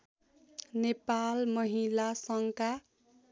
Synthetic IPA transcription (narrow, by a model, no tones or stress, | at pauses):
nepalmʌɦilasʌŋka